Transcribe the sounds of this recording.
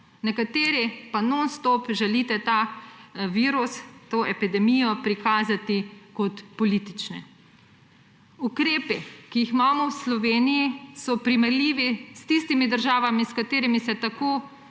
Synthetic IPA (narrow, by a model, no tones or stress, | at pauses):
nɛkat̪eːɾipanonst̪ɔpʒɛliːt̪ɛt̪a | ʋiːɾust̪oːʔɛpid̪ɛmijɔpɾikaːzat̪ikɔt̪pɔliːt̪it͡ʃnɛ̰ | ukɾeːpikiixmaːmɔwslɔʋeːnijisɔpɾimɛɾliːʋist̪ist̪imid̪əɾʒaːʋamiskat̪eːɾimisɛt̪akoː